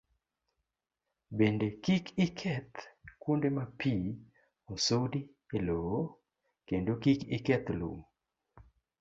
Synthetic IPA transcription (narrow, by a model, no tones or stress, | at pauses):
bendekikɪkʰɛt̪kwondemapʰi | osowdi | elowo | kendokikikɛt̪lṵm